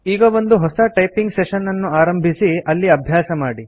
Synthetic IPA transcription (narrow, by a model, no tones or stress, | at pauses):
iːɡɐʋond̪uɦɔsɐʈɐjpiŋɡseʃɐnːɐnːuaːɾɐmbʱisiɐlːiɐbʱjaːsɐmaːɽi